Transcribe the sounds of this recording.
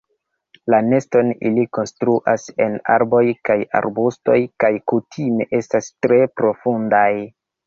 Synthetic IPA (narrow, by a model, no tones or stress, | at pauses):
lane̞sto̞nḭliko̞nstɾuʔase̞na̰ɾbo̞jkaja̰ɾbusto̞̰jkajkutʰime̞ʔe̞stastɾe̞pɾo̞fundaj